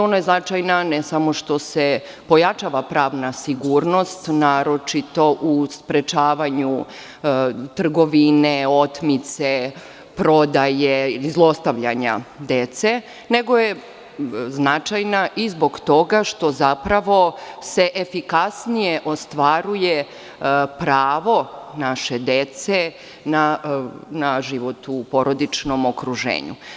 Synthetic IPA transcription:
o̞najeznat͡ʃajnanesamo̞ʃt̪o̞se | po̞jat͡ʃaʋapɾaːʋnasiɡuːɾno̞st̪naːɾo̞t͡ʃit̪o̞ʔuspɾet͡ʃaːʋaɲu | t̪r̩ɡo̞ʋineo̞t̪mit̪se | pɾo̞d̪ajeizlˠo̞st̪aʋʎaɲa̰d̪et̪se̞ | ne̞ɡo̞je | znat͡ʃajnaʔizbo̞ɡt̪o̞ɡaʃt̪o̞zapɾaʋo̞se̞ʔefikasnijeʔo̞st̪ʋaɾuje | pɾaːʋo̞naʃe̞d̪e̞t̪se | na | naʒiʋot̪upoɾo̞d̪it͡ʃnomokɾuʒḛːɲṵ

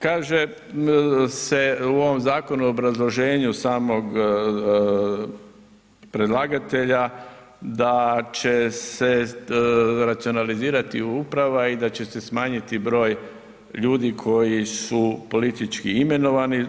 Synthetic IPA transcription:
kaːʒe | se̞uo̞ʋo̞mzaːko̞nuobɾazlˠo̞ʒe̞ːɲusaːmo̞ɡ | pɾe̞d̪lˠaːɡat̪e̞ʎa | d̪at͡ʃe̞se | ɾat̪sionaliziːɾat̪iupɾaʋaid̪at͡ɕe̞se̞smaːɲit̪ibɾo̞ːj | ʎuːd̪ikʰo̞jisupo̞lit̪it͡ʃkiime̞no̞ʋani

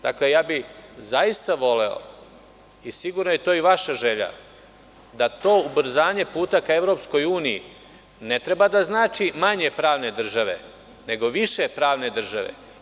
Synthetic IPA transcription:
d̪akle̞jaːbizaist̪aʋo̞leo̰ | isiɡuɾnojet̪oːiʋaʃaʒe̞ʎa̰ | d̪at̪o̞ːubr̩zaːɲe̞puːt̪akaeʋɾo̞psko̞juːnijḭ | ne̞t̪ɾe̞bad̪aznaːt͡ʃimaɲe̞pɾaːʋne̞d̪r̩ʒaʋe̞ | ne̞ɡo̞ʋiʃe̞pɾaːʋne̞d̪r̩ʒaʋḛ

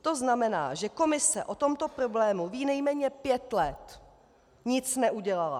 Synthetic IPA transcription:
t̪o̞znamɛna̰ːʒɛko̞mɪsɛʔo̞t̪o̞mt̪o̞pɾoblɛːmuviːnɛjmɛːɲɛpjɛt̪lɛt̪ | ɲɪt͡snɛʔuɟɛlala̰

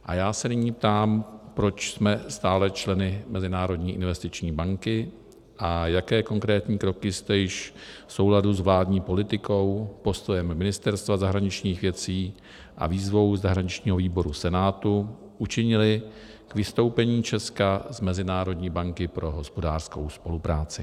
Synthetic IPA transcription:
ʔa̰jaːsɛnɪɲiːp̚t̪aːmpɾo̞t͡ʃsmɛst̪aːlɛt͡ʃlɛnɪmɛzɪnaːɾo̞dɲiːʔɪnvɛst̪ɪt͡ʃɲiːbaŋkɪ | ʔajakɛːko̞ŋkɾɛːt̪ɲiːkɾo̞kɪst̪ɛjɪʃfso̞wladuzvlaːdɲiːpo̞lɪt̪ɪko̞wpo̞st̪o̞jɛmːɪnɪst̪ɛɾst̪vazaɦɾaɲɪt͡ʃɲiːxvjɛt͡siː | ʔa̰viːzvo̞wzaɦɾaɲɪt͡ʃɲiːɦo̞viːbo̞ɾusɛnaːt̪u | ʔut͡ʃɪɲɪlɪ | kvɪst̪o̞wpɛɲiːt͡ʃɛskazmɛzɪnaːɾo̞dɲiːbaŋkɪpɾʔo̞ɦo̞spo̞daːrsko̞̰wspo̞lupɾaːt͡sɪ

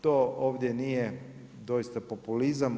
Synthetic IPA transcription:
t̪ooːʋd̪jenije | d̪o̞jist̪apopulizam

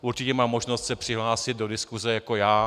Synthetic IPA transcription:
ʔuɾt͡ʃɪcɛmaːmːoʒnost̪sɛpr̥ɪɦlaːsɪd̪̚do̞dɪskuzɛjako̞jaː

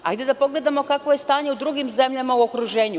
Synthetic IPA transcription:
a̰jd̪e̞d̪apo̞ɡle̞d̪amo̞kakʋoje̞st̪aːɲeud̪ɾuɡimze̞mʎamauo̞kɾuʒe̞ːɲu

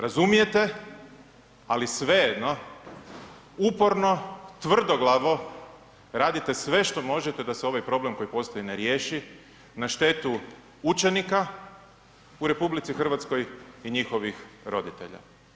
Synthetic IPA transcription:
ɾazumije̞t̪e̞ | alisʋe̞jed̪no̞ | upo̞ɾno̞t̪ʋr̩d̪o̞ɡlˠaʋo̞ | ɾaːd̪it̪e̞sʋe̞ʃt̪o̞mo̞ʒet̪e̞d̪aseo̞ʋajpɾo̞ble̞mko̞jipo̞st̪o̞jineɾje̞ːʃi | naʃt̪e̞t̪u | ut͡ʃe̞nika | uɾe̞publit̪sixr̩ʋat̪sko̞jiɲixo̞ʋixɾo̞d̪it̪e̞̰ʎa̰

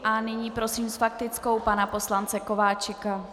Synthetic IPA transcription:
ʔanɪɲiːpɾo̞siːmsfak̚t̪ɪt͡sko̞wpanapo̞slant͡sɛko̞vaːt͡ʃɪka

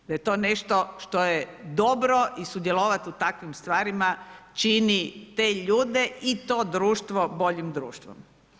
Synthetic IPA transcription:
d̪ajet̪o̞ːneʃt̪oʃt̪ojed̪o̞bɾoʔisud̪jeloʋat̪iut̪akʋimst̪ʋaːɾimat͡ʃinit̪e̞ːʎuːd̪e̞it̪o̞ːd̪ɾuːʃt̪ʋobo̞ʎimd̪ɾṵːʃt̪ʋo̰m

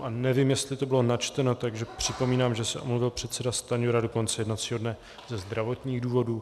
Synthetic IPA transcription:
ʔanɛvimjɛst̪lɪt̪o̞bɪlo̞nat͡ʃt̪ɛno̞t̪aɡʒɛpr̝̥ɪpo̞miːnaːmʒɛsɛʔomluvɪlpr̝̥ɛt̪sɛdast̪aɲuɾadoko̞nt͡sɛjɛdnat̪t͡siːɦodnɛ | zɛzd̪ɾavo̞t̪ɲiːɣduːvo̞duː

